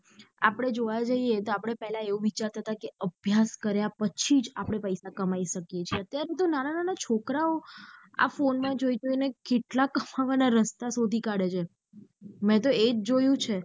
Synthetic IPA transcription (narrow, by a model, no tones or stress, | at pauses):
a̰pəɽ̃ed͡ʒoʋad͡ʒaiet̪oapɽ̃epɛɦlaeʋũʋit͡ʃaɾt̪ʰət̪akeəbʱjaskəɾjapət͡ʃʰid͡ʒapɽ̃epəjsakəmaiʃəkjet͡ʃʰieət̪jaɾet̪onanananat͡ʃʰokɾaoa̰fonmãd͡ʒoid͡ʒoinekeʈlakəmaʋanaɾəst̪asod̪ʱikaɽet͡ʃʰe | mɛ̃t̪̬oed͡ʒd͡ʒojũt͡ʃʰe